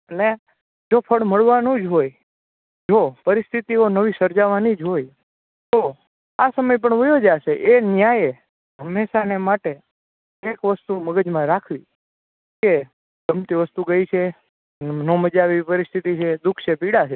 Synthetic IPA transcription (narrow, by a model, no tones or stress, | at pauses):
əne | d͡ʒopʰəɭməɭʋanũd͡ʒɦoj | d͡ʒopəɾɪst̪ʰit̪ionəʋisəɾd͡ʒaʋanid͡ʒɦoj | t̪o | asəməjp̬əɳʋəjod͡ʒaʃeʔenjaje | ɦəmːeʃanemaʈe | ekʋəst̪uməɡəd͡ʒmãɾakʰʋi | ke | ɡəmt̪iʋəst̪uɡəjt͡ʃʰe | noməd͡ʒaʋipəɾist̪ʰit̪it͡ʃʰed̪ukʰt͡ʃʰepiɽat͡ʃʰe